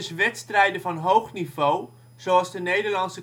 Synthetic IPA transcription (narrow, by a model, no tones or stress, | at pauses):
ɪsʋɛtstrɛjdəvɑnɦowχnivow | z̥owɑlˠzdənejdərlɑnsə